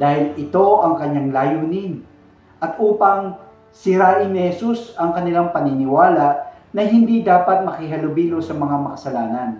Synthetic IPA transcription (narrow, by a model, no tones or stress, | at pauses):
d̪aːhɪlʔɪt̪o̞ʔɐŋkɐɲːaŋlajuːnɪn | ʔɐt̪̚ʔuːpɐŋ | sɪɾaːʔɪnːɪhɛsusɐŋkɐnɪlaŋpɐninɪwaːlaʔ | nɐɦɪnd̪id̪aːpɐt̪̚mɐkɪɦɐlʊbiːlosɐmɐŋamɐkɐsɐlaːnɐn